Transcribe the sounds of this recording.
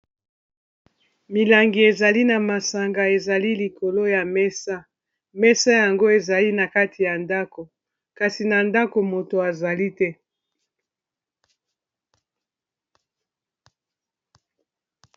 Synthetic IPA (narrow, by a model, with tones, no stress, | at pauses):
mi˨la˨ŋɡi˨e˨za˨li˦na˨ma˨sa˨ŋɡa˨e˨za˨li˦li˨ko˨lo˦ja˨mɛ˦sa˦ | mɛ˦sa˦ja˨ŋɡo˦e˨za˨li˦na˨ka˦tʰi˨ja˨nda˦ko˨ | ka˨si˨na˨nda˦ko˨mo˨to˨a˨za˨li˦tɛ˦